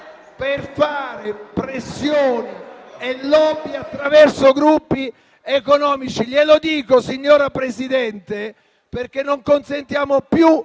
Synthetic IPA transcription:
perfaːɾepɾesːjoːni | elːɔbiat̪ːɾavɛrsoɡɾupːi | ekonɔːmit͡ʃiʎelod̪iːkosiɲːoːɾapɾesid̪ɛnt̪e | perk̟enːoŋkonsent̪jaːmopju

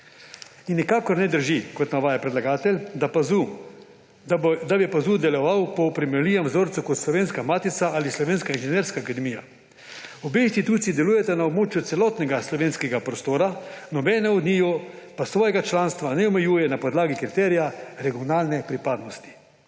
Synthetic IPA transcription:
inːikaːkɔɾnɛd̪əɾʒikɔt̪naʋaːjapɾɛd̪laɡaːt̪ɛlʲd̪ | d̪abjɛpazuːd̪ɛlɔʋawpɔpɾimɛɾliːʋamzoɾt̪sukɔt̪slɔʋeːnskamaːt̪isaalislɔʋeːnskainʒɛneːɾskaːkad̪ɛmiːja̰ | ɔbeinst̪it̪uːt̪siːd̪ɛluːjɛt̪ɛnaobmoːt͡ʃjut̪sɛlɔːt̪nɛɡaslɔʋeːnskɛɡapɾɔst̪oːɾanɔbɛnɛɔd̪niːjɔpasʋɔːjɛɡat͡ʃlaːnst̪ʋanɛɔmɛjuːjɛnapɔd̪laːɡikɾit̪ɛːɾijaɾɛɡiɔnaːlnɛpɾipaːd̪nɔst̪i̥

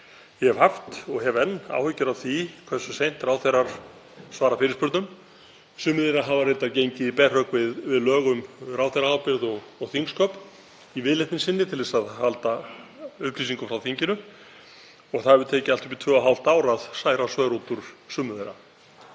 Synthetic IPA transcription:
jɛhɛvhaft̪ɔɣɦɛvɛnːa̰ːwhʏcːʏɾavθikʰvɛrsʏsejn̥t̪raːwθejɾaɾ̥ | svaːɾafɪːɾɪspʏɾt̪nʏm | sʏːmʏðeɾaɦavaɾejt̪aɾcejɲcɪipɛr̥œkvɪðvɪðlœːɣʏmrawθejɾaawpɪɾðɔɣɔɣθiŋkskʰœp | ivɪːðleht̪ɪnsɪnːɪt̪ʰɪlɪsaðhalt̪aʏhpʰliːsiŋkʏfɾawθiɲcɪnʏ | ɔɣθavɪðt̪ʰɛːcɪalt̪ʏ̥hpit̪ʰvœːaɦawl̥t̪aːwɾaðsaːjɾasvœːɾut̪uɾ̥sʏːmːʏðejɾa

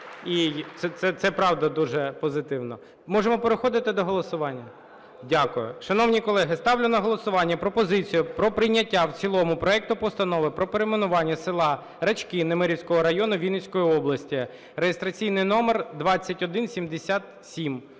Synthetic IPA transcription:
it̪sɛt̪sɛt̪sɛpɾɑwd̪ɐd̪uʒɛpɔzɪt̪ɪwnɔ̰ | mɔʒemɔpeɾexɔd̪ɪt̪ɪd̪ɔɦɔlˠɔsʊʋɑnʲːɐ | dʲakʊjʊ̰ʃɐnɔwnʲikɔlˠɛɦɪst̪ɑwlʲʊnɐɦɔlˠɔsʊʋɑnʲːɐpɾɔpɔzɪt͡sʲijʊpɾɔpɾɪjnʲːɐtʲːawt͡sʲilˠɔmʊpɾɔɛk̚t̪ʊpɔst̪ɐnɔʋɪpɾɔpeɾemenʊʋɑnʲːɐsɪlˠɑ | ɾɐt͡ʃkɪnemeɾʲiwsʲkɔɦɔɾɐjɔnʊʋʲinɪsʲkɔjiɔblˠɐsʲtʲi | rejest̪ɾɐt͡sʲijnɪjnɔmerd̪ʋɑt͡sʲːɐtʲɔd̪ɪnsʲimd̪esʲat̪ | sʲim

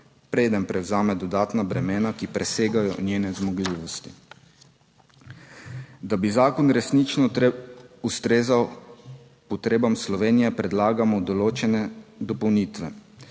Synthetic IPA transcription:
pɾeːd̪ənpɾɛwzaːmɛd̪ɔd̪aːt̪nabɾɛmeːnakipɾɛseːɡajɔ̰njeːnɛzmɔɡliːʋɔst̪i̥ | d̪abizaːkɔnɾɛsnit͡ʃnɔ | ust̪ɾeːzaw | pɔt̪ɾeːbamslɔʋeːnijɛpɾɛd̪laːɡamɔd̪ɔloːt͡ʃɛnɛd̪ɔpɔwniːt̪ʋɛ

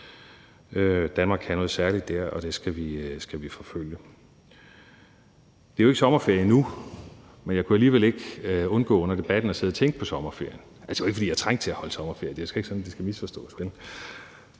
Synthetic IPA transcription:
ød̥ænmɑ̈ːɡ̥ʰæɐnɔ̽ːð̞̩ˠsæɐlid̥ːæɐ̰ɒ̽d̥e̝sɡ̥æʋisɡ̥æʋifɒ̽føljə | d̥e̝æjoe̝ɡəsɒ̽mɐfeɐ̰jənu | menjɑ̈ɪkʰuæliːʋele̝ɡ̥ɔ̽nɡ̥ɔ̰̽ːɔ̽nɐd̥e̝b̥æd̥n̩ɒ̽se̝ð̞ˠɐt͡sʰeŋɡ̥ə̥pʰɒ̽sɒ̽mɐfe̝ɐ̰jən | ʔælsɒe̝ɡ̥fɒd̥iːjɑ̈t͡sʰʁaŋ̰̥̚t͡sʰe̝æhɒ̽ləsɒ̽mɐfḛɐjəd̥e̝æsɡ̥æe̝ɡ̥sɒ̽nd̥esɡ̥æmisfɒ̽sd̥ɔ̰̽ːsb̥el̩

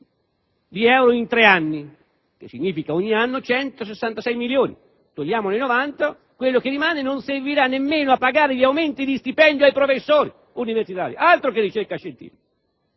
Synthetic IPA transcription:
d̪iɛwɾʊint̪ɾeanːi | k̟esːiɲːiːfikaoɲːianːʊt͡ʃɛnt̪os̬esːant̪asɛjmiljoːnḭ | t̪oʎːaːmʊnejnovant̪a | kwelːʊkerːimaːnɪnonserviɾanːemːeːnʊapːaɡaːɾɪʎiawment̪id̪ist̪ipɛnd̪joajpɾofesːoːɾi | universit̪a̰ːɾjḭʔalt̪ɾokɪrːit͡ʃerkaʃːent̪ḭːfika

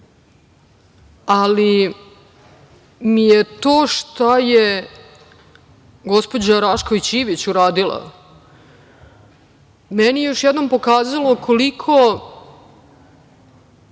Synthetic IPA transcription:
ali | mijet̪o̞ːʃt̪aje | ɡo̞spo̞d͡ʑaɾaʃkoit͡ɕiʋit͡ɕuɾaːd̪ilˠa̰ | meniejo̞ʃjed̪no̞mpo̞kaːzalokʰolikʰo

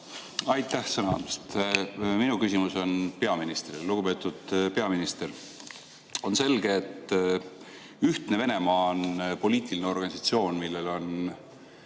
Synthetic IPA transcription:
ɑjt̪ˑːæhsɤnɑɑ̰nest̪minukysʲimuso̞npe̞ɑminist̪rilluɡ̥upe̞ːt̪ːˑud̪̥pe̞ɑminist̪er | o̞nse̞lɡ̥e̞ːt̪ː | yht̪neve̞ne̞mɑonpo̞lʲiːt̪ʲˑilineo̞rɡ̥ɑnʲisɑt̪sio̞ːnmilːe̞lo̞n

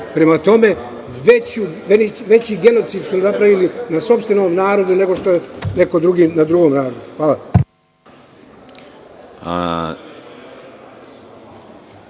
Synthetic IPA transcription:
pɾe̞mat̪o̞me̞ | ʋet͡ɕuʋeiʋe̞t͡ɕiːɡe̞no̞t̪siːd̪sunapɾaʋilinaso̞pst̪ʋeno̞ːmnaːɾo̞d̪une̞ɡo̞ʃt̪ojene̞ko̞d̪ɾuɡiːnad̪ɾuɡo̞ːmnaːɾo̞d̪uxʋaːla | a̰

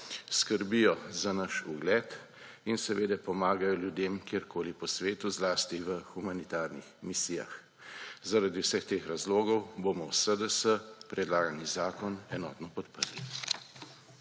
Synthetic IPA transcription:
skəɾbijɔzanaʃuɡlɛt̪ | insɛʋeːd̪ɛpɔmaːɡajɔljud̪emkjeɾkʰoːlipɔsʋeːt̪uzlaːst̪iʋəxumanit̪aːɾnixmisiːja̰x | zaɾad̪iwsəxt̪eːxɾazloːɡɔwboːmɔwsəd̪əsəpɾɛd̪laːɡanizaːkɔnɛnɔ̰ːt̪nɔpɔt̪pəɾli

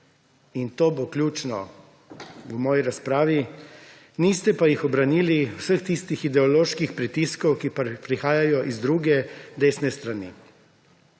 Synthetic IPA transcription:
int̪oːboklʲjuːt͡ʃnɔ̰ | wmɔːjiɾaspɾaːʋi | niːst̪ɛpajixɔbɾaniliwsəxt̪ist̪ixid̪ɛɔloːʃkixpɾit̪iskɔwkipɾixaːjajɔʔizd̪ɾuːɡɛd̪eːsnɛst̪ɾanḭ

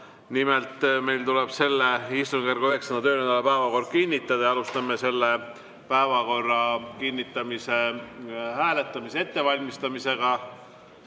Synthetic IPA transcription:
nimelt̪me̞jlt̪ulɛb̥se̞lːeist̪unɡ̥erɡ̥uyɦe̞ksɑnɑt̪øːnend̪ɑlepæevɑko̞rd̪̚kinʲːit̪ˑːɑd̪ɑjɑɑlust̪ɑmːese̞lːe | pæevɑko̞rːɑkinːit̪ːˑɑmise | hæːle̞t̪ˑːɑmise̞e̞t̪ːe̞vɑlʲmist̪ɑmise̞ɡ̥ɑ

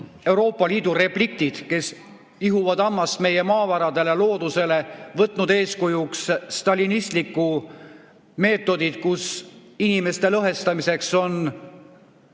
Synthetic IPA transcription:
e̞wɾo̞ːpːˑɑliːd̪̥ure̞plik̚t̪id̪̥ke̞s | iɦuvɑd̪ɑmːɑsme̞je̞mɑːvɑɾɑd̪e̞le̞lo̞ːd̪̥use̞le̞vɤt̪ːˑnud̪e̞ːskujuksːt̪ɑlinist̪likːˑu | me̞ːt̪ːˑo̞d̪id̪̥kusinime̞st̪e̞lɤɦe̞st̪ɑmise̞kso̞n

